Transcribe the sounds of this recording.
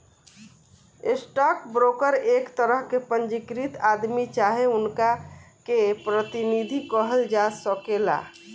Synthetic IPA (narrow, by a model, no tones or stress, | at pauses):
esʈɔkbɾokəɾekt̪əɾəɦkepənd͡ʒikɾit̪ad̪mit͡ʃaɦeunkakepɾət̪inid̪ʱikəɦəld͡ʒasəkela̰